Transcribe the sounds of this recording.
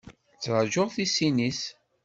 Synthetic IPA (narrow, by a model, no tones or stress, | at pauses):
t͡sːˤəʒoʁθisinis